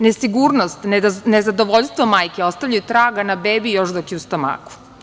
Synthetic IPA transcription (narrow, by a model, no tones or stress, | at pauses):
nesiɡuːɾnost̪nezad̪oʋoʎʲst̪ʋomaːjkeo̞st̪aʋʎʲajut̪ɾaːɡanabeːbijo̞ʃd̪okjeust̪ama̰ːku̥